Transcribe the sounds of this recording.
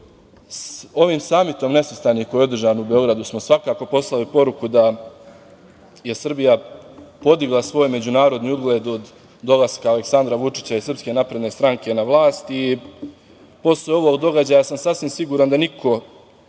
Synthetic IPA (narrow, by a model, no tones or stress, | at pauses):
so̞ʋiːmsaːmit̪o̞mne̞sust̪aːnikojeo̞d̪r̩ʒaːniubeo̞ɡɾad̪usmo̞sʋakaːko̞po̞slalipo̞ɾukud̪a | je̞sr̩bijapo̞d̪iɡlˠasʋo̞ːjme̞d͡ʑunaːɾo̞d̪niːud̪ɡlˠe̞ːd̪od̪ː | o̞lˠaskaːleksand̪ɾaʋut͡ʂi̥t͡ɕaisrpske̞napɾe̞d̪ne̞ːst̪ɾaŋke̞naʋlˠaːst̪i | po̞sleo̞ʋo̞ːɡd̪o̞ɡad͡ʑaːjasamsasʋimsiɡuːɾand̪anikʰo̞